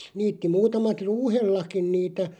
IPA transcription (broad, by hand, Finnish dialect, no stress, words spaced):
niːtːi muːtɑmɑt ruːhelːɑkin niːtæ